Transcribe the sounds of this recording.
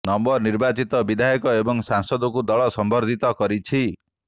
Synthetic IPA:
nɔmbɔɾniɾbat͡ʃit̪ɔbid̪ʱajɔkɔebɔŋsansɔd̪ɔkud̪ɔɭɔsɔmbʱɔɾd̪ʱit̪ɔkɔɾit͡ʃʰi

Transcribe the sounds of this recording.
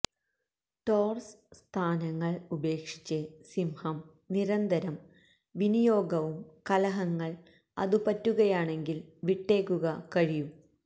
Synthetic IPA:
ʈoːrs | st̪ʰaːnɐŋːɐɭube̞ːkʂi̥t͡ɕːesimhɐm | niɾɐnd̪ɐɾɐm | ʋinijo̞ːɡɐʋumkɐlɐɦɐŋːɐɭ | ɐ̰ðupɐtːuɣɐjaːɳe̞ŋɡilʋiʈːe̞ːkːuɣɐkɐɻijum

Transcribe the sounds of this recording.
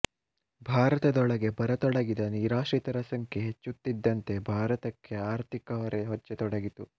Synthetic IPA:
bʱaːɾɐt̪ɐd̪ɔɭɐɡe̞bɐɾɐt̪ɔɽɐɡid̪ɐniːɾaːʃit̪ɐɾɐsɐŋkʰeɦet͡ʃːut̪ːid̪ːɐnt̪e̞bʱaːɾɐt̪ɐkʰːe̞aːɾt̪ʰikɐʋɐɾeɦɔt͡ʃːet̪ɔɽɐɡit̪u

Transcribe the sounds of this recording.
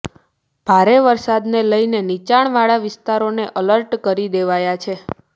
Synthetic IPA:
b̥ʱaɾeʋəɾsad̪neləjnenit͡ʃaɳ̃ʋaɭaʋɪst̪aɾoneʔələɾʈkəɾid̪eʋajat͡ʃʰe

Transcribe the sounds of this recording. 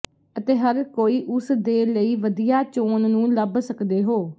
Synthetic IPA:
ət̪eːɦəɾkoːiːʔʊsd̪eːləiːʋəd̪ijaːt͡ʃoːnnũːləbsəkd̪eːɦoː

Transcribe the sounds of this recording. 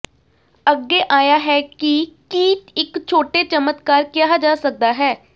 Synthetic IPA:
əɡːeːʔaːjaːɦɛːkɪkiːt̪ɪkt͡ʃʰoːʈeːt͡ʃəmət̪kaːɾkɪjaːd͡ʒaːsək̚d̪aːɦɛː

